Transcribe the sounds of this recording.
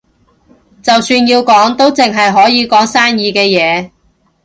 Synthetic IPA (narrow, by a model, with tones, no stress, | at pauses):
t͡sɐ˨wsyː˧njiː˧wkɔː˨˥ŋt̪o˥wt͡sɪ˨ŋɦɐ˨jɦɔː˨˥jiː˨˧kɔː˨˥ŋsaː˥njiː˨˧kɛː˧jɛː˨˧